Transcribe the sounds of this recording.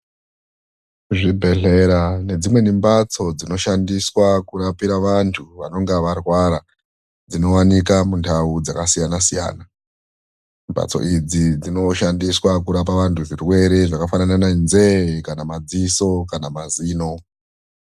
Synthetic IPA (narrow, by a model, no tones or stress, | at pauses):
ʐibʱe̞ɮe̞ɾane̞d͡zimwe̞nimbat͡so̞d͡zino̞ʃandiswakuɾapiɾaʋantʰuʋano̞ŋɡaʋarwaɾa | d͡zino̞wanikamundaud͡zakasijanasija̰ːna | mba̰t͡so̞̰ʔid͡zid͡zino̞ʃandiswakuɾap̬aʋantʰuʐirwe̞ɾe̞ʐakafananananzekanamad͡ziso̞kanamaziːno̞